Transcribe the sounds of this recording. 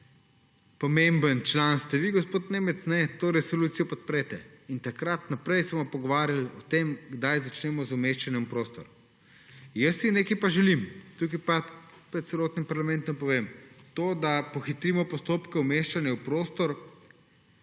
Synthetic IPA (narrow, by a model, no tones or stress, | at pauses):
pɔmembənt͡ʃlanst̪ɛʋiɡospoːt̪nemɛt̪snɛt̪oːɾɛsoluːt̪sijɔpɔt̪̚pɾɛt̪ɛint̪akɾat̪napɾɛjsəmɔpɔɡɔʋaːɾjalɔt̪emɡd̪ajzat͡ʃnɛmɔzʊmeʃt͡ʃanjɛupɾoːst̪ɔɾ | jəsːineːkipaʒɛlimt̪uk̬ipa | pɾɛt̪t̪sɛloːt̪nimpaɾlamɛnt̪ɔmpɔʋemt̪oːd̪apɔxit̪ɾimɔpɔst̪oːpkɛumeʃt͡ʃanjɛupɾoːst̪ɔɾ